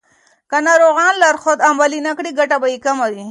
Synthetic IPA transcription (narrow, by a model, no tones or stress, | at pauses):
kanaɾoɣɑnlaɾxod̪ambalinakɽiɡaʈabajikamawi